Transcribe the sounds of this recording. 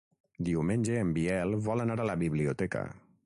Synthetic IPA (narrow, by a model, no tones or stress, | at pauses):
d̪iomend͡ʒeembiɛlvɔlanaɽalabibliot̪ɛka̰